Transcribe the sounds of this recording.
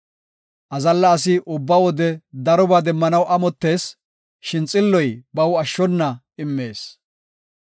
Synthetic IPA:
ʔɐzɐlːɐːs̬ɪʔʊbːɐwɔd̪ɛd̪ɐɾɔbaːd̪ɛmːɐnɐwʔɐmɔt̪ːe̞ːs | ʃɪnt͡sʼɪlːɔjbɐwɐʃːɔnːɐ | ɪmːe̞ːs

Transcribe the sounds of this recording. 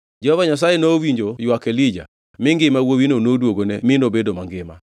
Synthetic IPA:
d͡ʒɛhɔvaɲas̬ajenowiɲd͡ʒojwakelid͡ʒa̰ | mɪŋɡɪmawowinonodwoɡonɛmɪnobedomaŋɡɪma̰

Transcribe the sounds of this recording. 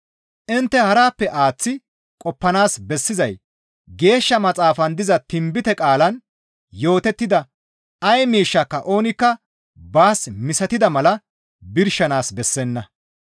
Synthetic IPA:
ʔɪnt̪ːɛhɐɾaːpːɛʔaːt͡sːɪ | kʼɔpːɐnaːsbɛsːɪzɐj | ɡe̞ːʃːɐmɐt͡sʼaːfɐnd̪ɪzɐt̪ɪmbɪt̪ɛkʼaːlɐn | jo̞ːt̪ɛt̪ːɪd̪ɐ | ɐjmiːʃːɐkːɐʔo̞ːnɪkːɐ | baːsmɪsɐt̪ɪd̪ɐmɐlɐ | bɪɾʃːɐnaːsbɛsːɛnːɐ

